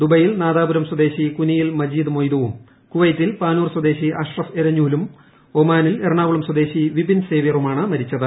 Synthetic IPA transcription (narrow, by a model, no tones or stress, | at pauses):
d̪ubɐjilnaːðaːbuɾɐmswɐd̪e̞ːɕikunijilmɐd͡ʑiːd̪ɨmojd̪ɐʋum | kuʋɐjt̪ːilpaːnuːrswɐd̪e̞ːɕiʔɐʂrɐfeɾɐɲːuːlum | omaːnileɾɐɳaːʋuɭɐmswɐd̪e̞ːɕiʋibinse̞ːʋjɐrumaːɳɨmɐɾit͡ɕːɐðɨ